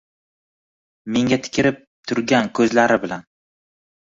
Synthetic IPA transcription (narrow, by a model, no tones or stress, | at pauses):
me̞ŋʲat̪ʰɪ̥kʲʰɪɾɪp̪̚t̪ʰʊɾɡʲankʲʰɵzlaɾɪbɪlan